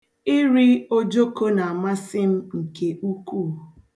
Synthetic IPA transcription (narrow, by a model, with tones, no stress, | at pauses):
i˦ɾi˦o˦d͡ʒo˦ko˦na˨a˨ma˦sɪ˦m̩˦ŋ̩˨ke˨ʔu˦ku˦˨